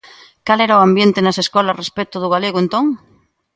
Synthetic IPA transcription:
kalɛɾaoambjẽnt̪enaseskolarespet̪oðuɣaleɣoẽnt̪õŋ

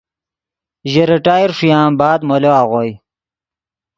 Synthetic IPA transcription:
ʑeɾiʈaːjiɾʂujãːmbaːd̪moloaːʁoj

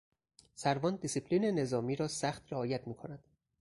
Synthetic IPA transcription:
sæɾvɒːnd̪isipʰliːne̞ne̞zɒːmiːɾɒːsæxt̪ɾeɒːjæt̪ʰmiːkʰo̞næd̪̥

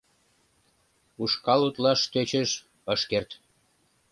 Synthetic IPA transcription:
uʃkɑlut̪lɑʃt̪øt͡ɕəʃ | əʃkert̪

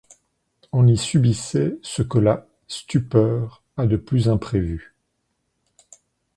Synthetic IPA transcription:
ɔ̃nisybisɛsəkəla | st̪ypœːʁ | ad̪əplyzɛ̃pχevy

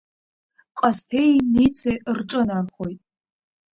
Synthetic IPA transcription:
qʼastʰejnit͡sʰejrʈ͡ʂʼɨnarχojtʼ

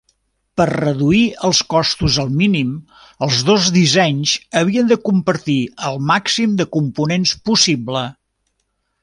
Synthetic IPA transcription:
pərrəðuiəlˠskɔst̪uzəlˠminim | əlˠzðozðizɛɲzəβ̞iənd̪əkumpəɾt̪iəlˠmaksimd̪əkumpunenspusiblə

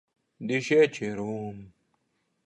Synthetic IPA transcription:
diɕet͡ɕʰeɾum

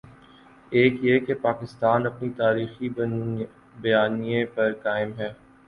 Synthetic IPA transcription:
eːkjekepaːkɪst̪aːnɐpnit̪aːɾiːxi | bɐjaːniẽpɐɾkaːɪmɦɛː

